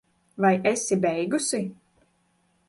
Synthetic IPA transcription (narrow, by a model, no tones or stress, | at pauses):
vajʔesibɛjɡusi